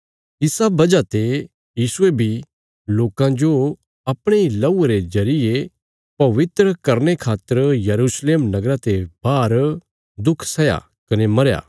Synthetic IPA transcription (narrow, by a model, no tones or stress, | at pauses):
ɪsabɐd͡ʒat̪e | jiːsʊebʱi | loːkãd͡ʒo | ɐpɽ̃eilɐueɾezɐɾɪje | pɐʋɪt̪ɾəkɐɾnekʰaːt̪ːəɾjɐɾusleːmnɐɡɾat̪ebaːɾ | d̪ʊkʰsɐja̰ | kɐnemɐɾja̰ː